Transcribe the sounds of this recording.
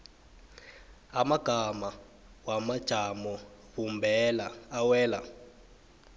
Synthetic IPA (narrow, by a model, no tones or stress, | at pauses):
amaɡ̥ʱama | wamad̥ʒ̥ʱamɔvumbʱɛlaːwɛːla̰